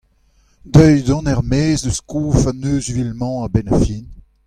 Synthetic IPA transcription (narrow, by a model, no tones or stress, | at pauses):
d̪œjdɔ̃nɛʁmeːzdəskuːfanøːzvilmɑ̃abɛnafiːn